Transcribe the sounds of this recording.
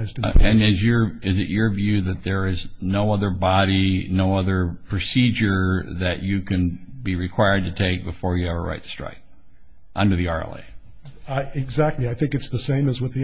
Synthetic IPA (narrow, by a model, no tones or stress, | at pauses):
ɪzdɨ̃nɪzjə˞ɪzɨ̰t͡ʃə˞vjʉðɨt̪̚ðə˞ɪznoʊʌðə˞bɑɾinoʊʌðə˞pʰɹ̥ɨsid͡ʒə˞ðɨt͡ʃɨkʰɨ̃nbiɹɨkʰw̥aɪə˞d̚tɨtʰeɪk̚b̥ɨfɔɹjɨɛvə̰˞ɹa̰ɪtʰɨ̥stɹ̥a̰ɪk̚ | ʔʌ̃ndə˞ðiɑɹɛ̰lˠḛɪ | aɪɪɡzæk̚tˡliaɪθɪ̃ŋkɨtsðɨsẽɪ̃mɨzwʌt̪̚ði